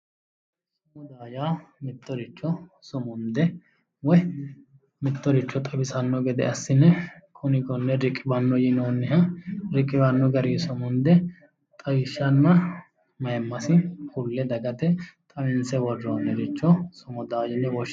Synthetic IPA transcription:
sʊmʊd̪aːjaːmɪt̪ːɔɾɪt͡ʃːɔsʊmʊnd̪ɛ | wɔ | mɪt̪ːɔɾɪt͡ʃːɔt̪ʼɐbɪsɐnːɔɡɛd̪ɛ̰ʔɐsːɪnːɛkʰʊnɪɡɔnːɛɾɪkʼːɪbɐnːɔjɪnoːnːɪɦɐɾɪkʼːɪbɐnːɔɡɐɾiːsʊmʊnd̪ɛ | t̪ʼɐwɪʃːɐnːɐ | mɐjɛmːɐsɪkʰʊlːɛd̪ɐɡɐt̪ɛt̪ʼɐmɪnsɛwɔrːɔnːɛɾɪt͡ʃːɔsʊmʊd̪aːjɪnːɛwɔʃ

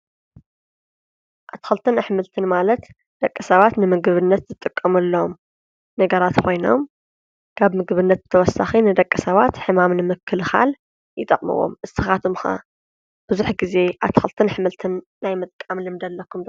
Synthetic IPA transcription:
ʔaβt̪ʰkxɨlt̪ʰɨnaħmɨlt̪ʰɨnmalɐt̪ | d̪̥ɐkʼːɨsɐβat̪nɨmɨɡɨβɨnːɐt̪zɨt̪ʼɨkʼːɐmulːom | nɐɡɐɾat̪kʰo̞jno̞̰m | kʰaβmɨɡβɨnːɐt̪̚t̪ʰɐwɔsːa̰xinɨd̪ɐkʼːɨsɐβat̪ħɨmamnɨmɨkʰːɨlxa̰l | jɪt̪ʼɐχʼmɨ̰wo̰mʔɨ̥ɨxat̪ʰumxa̰ | b̥ɨzuħɡize̞ʔaβt̪ʰxɨlt̪ʰɨnħɨmɨlt̪ʰɨnːajmɨt̪ʼkʼːamlɨmd̪ɐlːɐkʰːumd̪

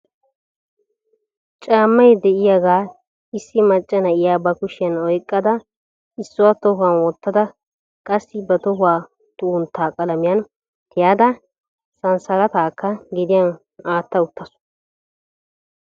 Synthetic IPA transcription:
t͡ʃʼaːmːɐjd̪ɛʔɪjaɡaː | ɪsːɪmɐt͡ʃʼːɐnɐʔɪjaːbɐkʊʃɪjɐnɔjkʼːɐd̪ɐ | ɪsːʊwat̪ɔɦʊɐnwɔt̪ːɐd̪ɐ | kʼɐsːɪbɛt̪ɔɦʊwaː | t̪ʊʊnt̪ʰːaːkʼɐlɐmɪjɐn | t̪ɪjaːd̪ɐ | sɐnsɐlɐt̪aːkːɐɡɪd̪ɪjɐn | aːt̪ːɐʊt̪ːɐsʊ̥

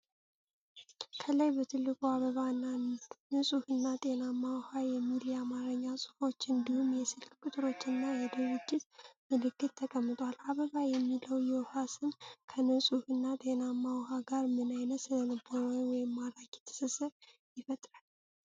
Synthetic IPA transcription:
kʰələjbət̪ʰɨlːɨkʼuaβəβannɨsʼuhɨnːat̪ʼe̞namawhajɛmilijamaɾəɲːasʼu̥fo̞t͡ʃːɨnd̪ihumjɛsɨlkkʰʼut̪ʼɨɾo̞t͡ʃːɨnːajɛd̪ɨɾud͡ʒːɪt̪mɨlɨkːɨt̪ːʰəkʼəmːɨt̪ʼwalaβəβajɛmːiləwjɛwhasɨmkʰənɨsʼuhɨnːat̪ʼe̞namːawhaɡaɾmɨnajnət̪sɨnəlɨbowɔjɪmːaɾakjɛ̥t̪ʰə̥sɨsɨɾjɪfət̪ʼɾal

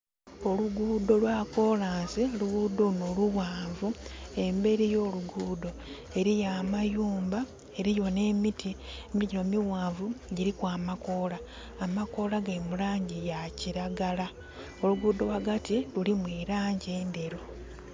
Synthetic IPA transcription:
o̞luɡuːdo̞lwaːko̞ːlaːnsioluɡuːd̪o̞noluwaːɱvue̞mbe̞ɾijo̞ːluɡuːdo̞ | e̞ɾijaːmajuːmba | eɾijo̞ne̞ːmitʰimiɟino̞miwaːɱvuɟiɾikwaːmako̞laː | mako̞laɡamulaːɲɟijaciɾaɡala | o̞luɡuːd̪o̞waɡatilulimwiːɾaːɲɟeːndeɾo

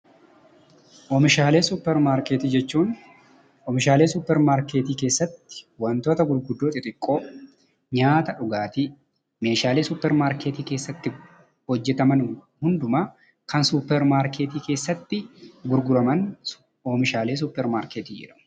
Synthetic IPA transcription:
ʔoːmɪʃaːle̞ːsʊpːɛɾmaːɾkeːt̪iːd͡ʒɛt͡ʃːuːn | ʔɔmɪʃaːleːsʊpːɛɾmaːɾke̞ːt̪iːke̞ːsːɐt̪ːɪ̥wɐnt̪o̞ːt̪ɐɡʊɾɡʊd̪ːoːt̪ɪt̪ʼɪkʼːo̞ː | ɲaːt̪ɐᶑʊɡaːt̪ɪ | me̞ːʃaːleːsʊpːɛɾmaːɾke̞ːt̪iːke̞ːsːɐt̪ːɪ | hɔd͡ʒːɛt̪ɐmɐn | hʊnd̪ʊmaː | kɐnsupːɛɾmaːɾkʰeːt̪iːke̞ːsːɐt̪ːɪɡʊɾɡʊɾɐmɐn | oːmɪʃaːle̞ːs̬ʊpːɛɾmaːɾkeːt̪iːd͡ʒɛ̰ᶑɐ̥mʊ̥

